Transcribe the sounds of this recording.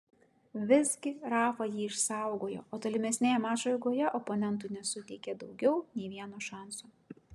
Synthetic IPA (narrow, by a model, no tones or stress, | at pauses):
ʋʲɪzʲɡʲɪɾɑːfɐjiːɪʃsɑˑʊɡoːjo̰ːʔoːt̪oːlʲɪmʲɛsʲnʲeːjɛmɑːʒɐɪɡoːjɛʔɔponʲɛnt̪̬uːnʲɛsʊt̪ʲɛɪkʲeːd̪ɒʊɡʲɛʊnʲɛɪʋʲiɛnoʃɑˑnsuː